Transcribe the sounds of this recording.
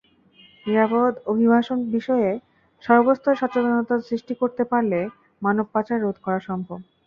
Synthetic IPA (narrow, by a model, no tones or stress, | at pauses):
niɾabod̪obʱibʱaʃonbiʃɔe | ʃɔɾbost̪ʰoeʃat͡ɕod̪ʱonot̪asɾiʃʈikoɾt̪epaɾle | manob̚pat͡ɕaɾːod̪ʱkɔɾaʃɔmbʱob